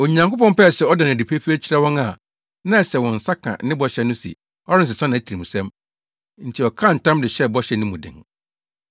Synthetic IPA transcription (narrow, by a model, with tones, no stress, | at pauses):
o˨ɲã˨ŋkʊ˦pɔ̃˦mpɛ˦˨sɛ˨ɔ˦dã˨nã˨di˨pʰe˦fi˦ɛ˦t͡ɕʰi˦ɾɛ˦wɔ̃˦na˨ | nã˦˨sɛ˨wɔ̃˨n̩˨sa˦kʰã̰˨˦nɪ̃˦bɔ˦ɕɛ˨nʊ̃˦sḭ˨ | ɔ˦ɾɪ˦n̩˨sɪ˨sã˦nã˨æ˦tʰi˨i˨mũ˨sɛ̃˦m | n̩˨tʰi˨ɔ˨kʰã˦˨n̩˨tʰã˦mdɪ˨ɕɛ˦bɔ˦ɕɛ˨nʊ̃˦mũ˨dɪ̰̃˨ŋ